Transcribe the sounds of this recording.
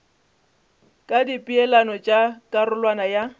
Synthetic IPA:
kʼadipʼiɛlanɔt͡ʃʼakʼarʊlwanaja

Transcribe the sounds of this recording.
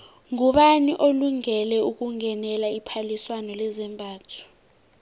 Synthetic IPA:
ŋuɓaniʔoluŋɛlɛuk̬uŋʱɛnɛlaipʰaliswanɔlɛzɛmbʱaːtʰɔ̥

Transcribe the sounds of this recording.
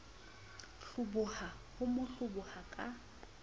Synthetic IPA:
ɬʊbʊha | hʊmʊɬʊbʊhakʼa

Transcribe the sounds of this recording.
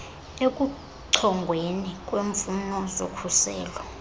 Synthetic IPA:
ekʼu | ǀʰɔŋɡʱwenikʼweɱfunɔzokʰusɛːlɔ

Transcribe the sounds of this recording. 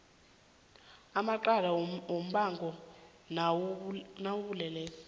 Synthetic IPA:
amaǃalawom̩ɓaŋɡʱɔ | nawuβulɛleːsi̥

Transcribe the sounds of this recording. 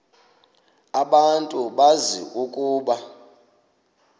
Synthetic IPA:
aɓantʼuɓazḭʔukʼuːɓa

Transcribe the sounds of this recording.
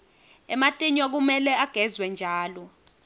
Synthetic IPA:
ɛmatʼiɲɔk̬umɛlɛaɡ̥ʱɛzwɛnd͡ʒʱaːlɔ

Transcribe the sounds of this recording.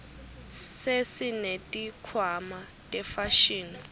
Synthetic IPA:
sesinetʼikʰwama | tʼɛfaʃiːni

